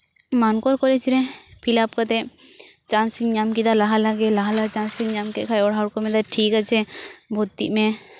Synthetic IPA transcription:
mankɔɾkɔɾɛt͡ʃʰɾɛpʰilap̚kat̪ɛʔt͡ʃansiɲɲamkid̪alaɦalaɡɛlaɦalat͡ʃansiŋɲamkɛʔkʰajɔɽaɔɾkɔmɛd̪aʈʰikat͡ʃʰɛbʱut̪ːḭʔmɛ

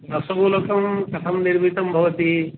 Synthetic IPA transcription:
ɐsɐbʱulokɐmkɐt̪ʰɐmniɾbʱit̪ɐmbʱɐʋɐt̪i

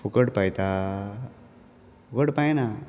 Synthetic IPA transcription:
fukəɽpajt̪a | fukəɽpajna

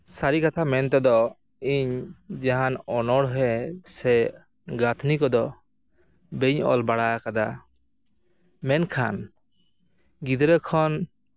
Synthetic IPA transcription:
saɾikat̪ʰamɛnt̪̬ɛd̪ɔ | iɲd͡ʒaɦanɔnɔɽɦɛsɛ | ɡat̪ʰnikɔd̪ɔ | beɲɔ̰lbaɽaakad̪a̰ | mɛnkʰan | ɡid̪ɾəkʰɔn

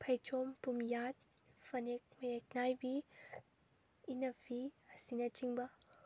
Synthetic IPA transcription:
pʰɐjt͡ʃompumjat̪̚ | fɐnek̚mek̚najbi | inɐfʰiasinat͡ʃiŋba

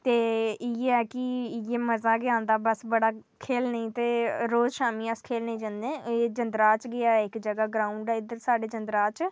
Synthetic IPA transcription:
t̪eːɪɛːkɪjeːməzaːɡɪãːnd̪aːbəsbəɽaːkʰeːlnəĩːt̪eːɾoːd͡ʒʃaːmĩːəskʰeːlnəĩːd͡ʒãnd̪ẽːeːd͡ʒənd̪ɾaːt͡ʃɡɪaːɪkd͡ʒəɡaːɡɾãːʊɳɖɛːɪd̪əɾsaːɖeːd͡ʒənd̪əɾaːt͡ʃ

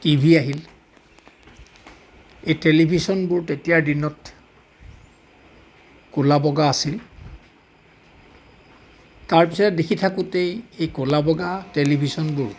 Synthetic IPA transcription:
tibʱiaɦil | ejtelibʱisɔnbʊɹtetijadinɔt | kulabɔɡaːsil | taɹpisɔtɛdekʰitʰakutejejkʊlabɔɡatelibʱisɔnbʊɹ

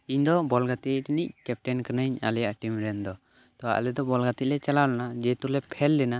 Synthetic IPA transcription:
iɲd̪ɔbɔlɡat̪ic̚ʈnic̚kɛp̚ʈɛnkanəɲa̰lɛjaʔʈimɾɛnd̪ɔ | t̪ɔa̰ʔlɛd̪ɔbɔlɡat̪ic̚lɛt͡ʃalawlanad͡ʒɛt̪ulɛpʰɛlːɛna

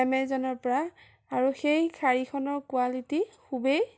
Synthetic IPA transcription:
ɛmɛzɔnɔɹpɔɹa | aɹuxejkʰaɹikʰɔnɔɹkualitikʰubej

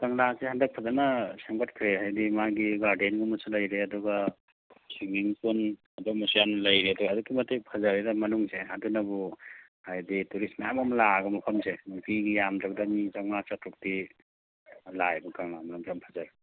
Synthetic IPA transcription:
kaŋlasehandɐk̚pʰazanasaŋbatkʰɾeɦajdimaɡiɡaɾdenɡumɐsalɐjɾeɐduɡa | siŋiŋpun | ɐduɡɐmusijanlɐjɾiɐduɡaːdukʰːimɐtejpʰɐzaɾidɐmɐnuŋseadunɐbuhajdituɾismajamamlaɡɐmɐpʰɐmsenukiɡijamdak̚danizanat͡ʃatʰɾuk̚di | lajbukaŋlamalamsampʰazaɾ

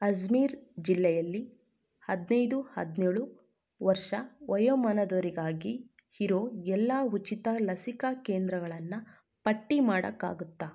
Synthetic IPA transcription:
ɐd͡ʒmiːɾd͡ʒilːɛjɐlːi | hɐd̪nɐjd̪uhɐ̰d̪nɛːɭu | ʋɐɾʂɐʋɐjɐmɐnɐd̪oːɾiɡaːɡi | hiɾoɛlːaːut͡ʃit̪ɐlɐsikɐkeːnd̪ɾɐɡɐɭɐnːɐ | pɐʈːimaːɽɐ̰kːa̰ːɡut̪ːa

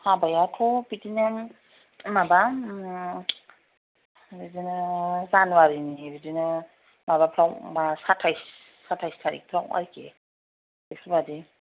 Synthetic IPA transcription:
habajatʰɔpitinɯ | maba | bidinɯzanwaɾinibidinɯ | mabapʰɾawmasatʰajsː | atʰajstʰaɾḭk̚pʰɾawa̰ɾike | eksubadi

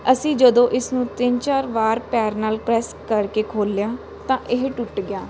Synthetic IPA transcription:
əsĩːd͡ʒəd̪õːʔɪsnũːt̪ɪnt͡ʃaːɾʋaːɾpɛːɾnaːlpɾɛːskəɾkeːkʰoːlːjaː | t̪ãːʔɪɦʈʊʈɡɪjaː

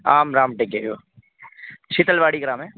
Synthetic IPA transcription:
aːmɾaːmʈekeɦo | t͡ʃʰit̪əlʋaːɽiɡɾãːmɦɛ̃ː

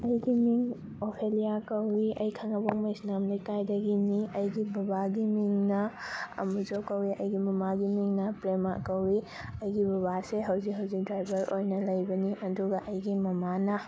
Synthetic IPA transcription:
ɐjɡimiŋ | opʰelijakɐwiɐ̰jkʰaŋɐboŋmɐjsnamlikajdɐɡiniɐjɡibɐbaɡimiŋnɐɐ̰muzokɐwiʔɐ̰jɡimɐmaɡimiŋnɐpɾema̰kɐwi | ɐjɡibɐβaseɦɐwzikɦɐwzik̚dɾajbʱɐɾojnɐlɐjbɐniʔɐduɡɐʔɐjɡimɐmanɐ

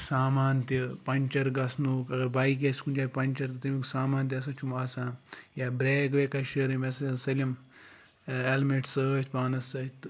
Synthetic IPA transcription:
saːmaːnt̪ipɐɲʲt͡ʃɐɾɡɐsnukɐɡɐɾbaːjk̬esʲkund͡ʒaːkʲpɐnʲt͡ʃɐɾt̪ɨt̪ɐmiksaːmaːnt̪ʲɐs̬ãt͡ʃumaːsãːjaːbɾeːkʋeːkaʃɐɾɐmesɐɐsɐlʲɐm | elmeʈsəːt̪ʲpaːnɐsɐt̪

